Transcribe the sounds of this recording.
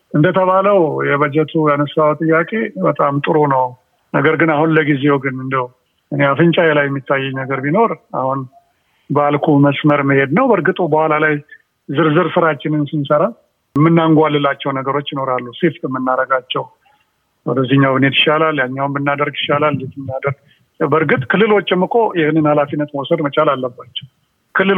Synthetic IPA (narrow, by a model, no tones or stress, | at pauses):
ʔɨnd̪ət̪ʰəβaləwjɛβəd͡ʒɛt̪ʰujanəsawt̪ʼɨjːakʼe̞bət̪ʼamt̪ʼɨɾonəw | nə̰ɡəɾɡɨnahunləɡizeoɡɨnɨnd̪əw | ʔɨneafɨnt͡ʃʼajɛlajɛmːit̪ʰːajːɛnəɡəɾbino̞ɾahun | bəalkʰuməsməɾməhe̞d̪nəwbəɾɡɨt̪ʼubəhʷalalaj | zɨɾzɨɾsɨɾat͡ʃːɪnɨnsɨnsəɾa | mːɨnːaŋɡʷalːɨlːat͡ʃːɛwnəɡəɾo̞t͡ʃːjɪno̞ɾalːuseft̪ʼɨmːɨnːaɾəɡat͡ʃːɛw | wɔd̪əzːiɲːawbɨned̪ɪʃːalaljaɲːawnbɨnːad̪əɾɡɪ̥ʃːalalnet̪nːad̪əɾɡ̚ | bəɾɡɨt̪ʼkʰɨlːɨlwot͡ʃːɛmːɨkʼo̞jɪhnɨnhalafinːət̪mosəd̪mət͡ʃʼalalːəbːat͡ʃːɛ̥w | kʰɨlːɨl